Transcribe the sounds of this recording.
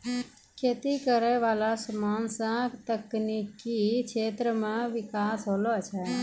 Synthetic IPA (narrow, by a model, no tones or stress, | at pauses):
kʰeːt̪ikəɾɛʋalasəmaːnsãkt̪əknikikʰeːt̪ɾəmãʋɪkaːsɦolot͡ʃʰɛ